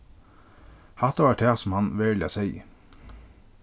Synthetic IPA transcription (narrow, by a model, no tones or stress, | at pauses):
hɑt̪əʋɑːʈʰæːsɔmhɑnʋeːlə̰sɛɪ